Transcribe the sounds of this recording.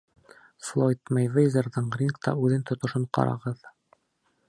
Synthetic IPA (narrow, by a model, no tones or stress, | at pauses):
flˠojt̪mejvejzerðɤɴrʲinkt̪ɑ̰ʉðɘnt̪ŏt̪ŏʃoɴqɑ̰ɾɑ̰ʁɤð